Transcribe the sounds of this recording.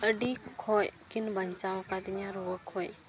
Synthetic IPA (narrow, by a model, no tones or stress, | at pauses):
əɖikʰɔjkɪnbəɲt͡ʃaʋkad̪ɪɲãɾuəkʰːoːj